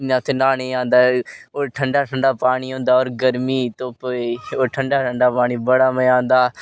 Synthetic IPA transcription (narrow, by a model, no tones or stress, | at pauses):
jãːt̪ʰeːnaːnẽːãːnd̪aːoːʈʰəɳɖaːʈʰəɳɖaːpaːɽ̃iːɦõːnd̪aːoːɾɡəɾmiːt̪õːpoːioːʈʰəɳɖaːʈʰəɳɖaːpaːɽ̃iːbəɽaːməãːnd̪aː